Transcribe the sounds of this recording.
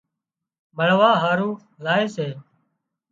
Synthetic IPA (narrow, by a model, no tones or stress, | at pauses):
məɭ̤ʋaːɦaːɾũː | laːeːseː